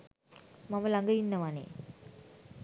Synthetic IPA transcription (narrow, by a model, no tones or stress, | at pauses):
maməlaŋɡəinːəʋanḛ